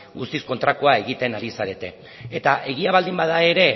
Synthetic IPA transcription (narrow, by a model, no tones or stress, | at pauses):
ɡust̪isko̞nt̪ɾakoae̞ɣit̪e̞naɾisaɾe̞t̪e̞ | et̪aʔe̞ɣ̞iaβ̞ald̪imbað̞ae̞ɾe̞